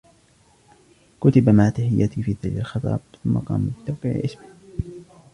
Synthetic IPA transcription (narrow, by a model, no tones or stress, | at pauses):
kʊt̪abamaʕt̪aħɪjːat̪iːfiːðalalxɪt̪ˤɑ̰ːb̚θʊmːɑ̰qɑ̰ːmbɪt̪ːawqiʕ̰ʔɪsmɪ